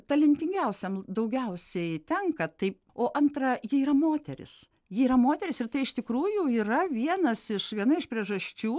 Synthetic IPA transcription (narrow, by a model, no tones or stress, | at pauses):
t̪ɐlʲɪnʲt̪ʲɪŋʲɡʲɛʊsʲɛmd̪ɐʊɡʲɛʊsʲɛɪt̪ʲɛŋkɐt̪ɐɪ | oːʔɐnt̪ɾɐjɪiːrɐmoːt̪ʲɛɾʲɪ̰s | jɪiːɾɐmoːt̪ʲɛɾʲɪsɪrt̪ɐɪɪʃt̪ʲɪkɾuːjʊiːrɐʋʲiɛnɐsɪʃʋʲiɛnɐɪʃpʲɾʲiɛʒɐsʲt͡ʃʲuː